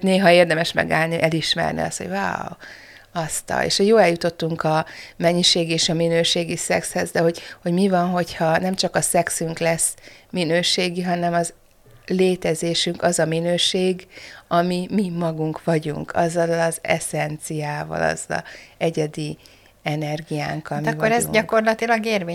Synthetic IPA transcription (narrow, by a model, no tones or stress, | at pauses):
neːɦɒeːrd̪ɛmɛʃmɛ̰ɡa̰ːlniʔɛliʃmɛ̰rnḭɒ̰st̪ho̰va̰ːw | ɒst̪ɒ̰lḛːʃhoɟjoːlɛljut̪o̞t̪ːuŋkɒmɛɲːiʃeːɡieːʃɒminøːʃeːɡisɛkshɛzd̪ɛɦo̞ɟho̞ɟmivɒnɦo̞chɒnɛmt͡ʃɒkɒsɛksyŋklɛsminøːʃeːɡiɦɒnɛmɒz | leːt̪ɛzeːʃyŋkɒzɒminøːʃeːɡɒmimimɒɡuŋkʋɒɟṵŋkʰɒzːɒlɒzɛ̰sɛnt̪sijaːvɒ̰lɒ̰zɒ̰ɛɟɛd̪i | ɛnɛrɡija̰ːŋkɒmivoɾɛzɟɒko̞rlɒt̪ilɒɡeːrveː